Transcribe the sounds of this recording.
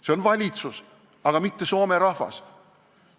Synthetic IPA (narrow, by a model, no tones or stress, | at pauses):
se̞o̞nvɑlʲit̪sus | ɑɡ̥ɑmit̪ːe̞so̞ːme̞ɾɑhvɑ̰s